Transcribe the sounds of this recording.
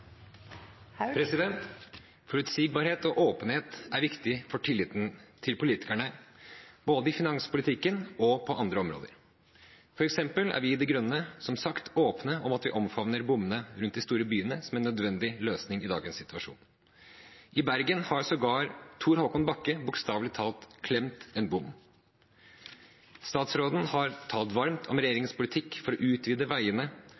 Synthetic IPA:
pʰɾɛsɪd̪ɛnt̪ | fɔɾʉt̪siːɡ̚bɑːɾheːt̪ɔʔoːpənheːt̪æɾʋɪkt̪ɪfɔʈʰɪlːɪːt̪n̩t̪ʰɪlpʊliːt̪ɪ̥kæɳə | b̥oːd̪əɪfɪnɑŋspʰʊlɪt̪ʰɪkːənɔpʰɔʔɑnd̪ɾəɔmɾo̰ːd̪ə̰ɾ | fɔɾɛksɛmpəlæ̰ɾʋɪɪd̪ɛɡɾœnːəsɔmsɑkt̪ʰoːpnəɔmɑt̪ʋɪ̰ʔɔmfɑʋnəɾbʊmːənəɾʉnt̪d̪ɪst̪uːɾəbyːənəsɔmɛnːœd̪ʋɛnd̪ɪløːsnɪŋɪd̪ɑ̰ːɡənsɪt̪ʉɑʂṵːn | ʔɪbæɾɡənhɑɾsɔɡɑːɾt̪ʰuːɾhoːkɔnbɑkːəbʊkst̪ɑːʋlɪt̪ʰɑːlt̪kʰlɛmt̪ɛnbʊmː | st̪ɑːt̪sɾoːd̪n̩hɑɾt̪ʰɑːlt̪ʋɑɾmt̪ʰɔmɾɛjeːɾɪŋspʰʊlɪt̪ʰɪkːfɔɾɔʔʉːt̪ʋiːd̪əʋæɪənə

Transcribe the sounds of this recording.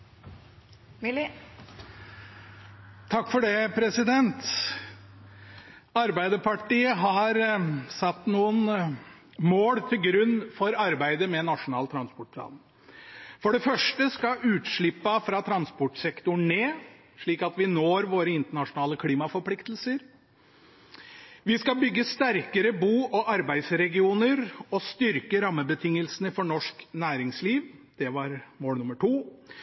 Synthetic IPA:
t̪ʰɑkːfɔɖɛpʰɾɛsɪd̪ɛnt̪ | ɑɾbæɪd̪əpʰɑʈiːəɦɑɾsɑt̪ːnuːən | moːɽt̪ʰɪlɡɾʉnːfɔɾɑɾbæɪd̪əmɛnɑʂʊnɑːlt̪ʰɾɑnspɔʈ̚pʰlɑ̰ːn | fɔɖɛfœʂʈəskɑʔʉːt̪ʂɭɪpːɑfɾɑt̪ʰɾɑnspɔʈsɛkt̪ʊɳneː | ʂɭiːkɑt̪ʋɪnoːɾʋoːɾəɪnt̪əɳɑʂʊnɑːləkʰliːmɑfɔɾpʰlɪkt̪l̩səɾ | ʋɪskɑbʏɡːəst̪æɾkəɾəbuːʔɔʔɑɾbæɪd̪sɾɛɡɪuːnəɾɔst̪ʏɾkəɾɑmːəbət̪ʰɪŋːəlsənəfɔɳɔʂknæːɾɪŋsliːʋd̪̥ɛʋɑɾmoːlnʊməʈʰuː

